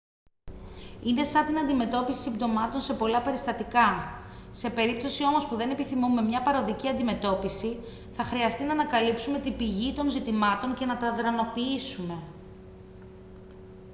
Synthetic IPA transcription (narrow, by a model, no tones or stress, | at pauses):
ine̞sɐnt̪inɐnd̪ime̞t̪o̞pisi̥simd̪o̞mɐt̪o̞nse̞po̞lɐpe̞ɾist̪ɐt̪ikɐse̞pe̞ɾip̚t̪o̞sio̞mo̞spuðe̞ne̞piθimume̞mɲɐpɐɾo̞ðiciɐnd̪ime̞t̪o̞pisi | θɐxɾiɐst̪inɐnɐkɐlipsume̞t̪ibiʝit̪o̞nzit̪imɐt̪o̞ɲce̞nɐt̪ɐðɾɐno̞piisume̞